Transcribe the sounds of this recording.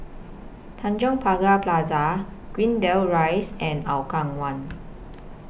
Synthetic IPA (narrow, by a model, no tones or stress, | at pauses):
t̪ʰãnd͡ʒɔ̃ŋpʰaɡaplazaɡ̥wĩndɛlɹajsɛ̃nawkaŋwãn